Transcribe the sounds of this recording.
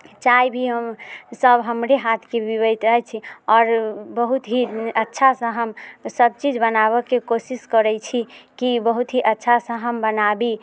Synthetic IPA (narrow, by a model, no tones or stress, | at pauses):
t͡ʃajbʱiɦəmsəbɦəmɾeɦat̪ʰkebibət̪ɾəɦɛt͡ʃʰiɔɾbəɦut̪ɦiətːʃʰasə̃ɦəmsəb̚t͡ʃid͡ʒbənaβəkekosiskəɾɛt͡ʃʰikibəɦut̪ɦiʔətːʃʰasə̃ɦəmbənabi